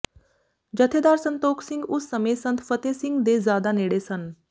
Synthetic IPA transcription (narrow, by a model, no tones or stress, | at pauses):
d͡ʑət̪ʰed̪aːɾsənt̪oːkʰsiŋɡusːəmesənt̪ʰfət̪esiŋɡd̪ezaːd̪aneːɽesən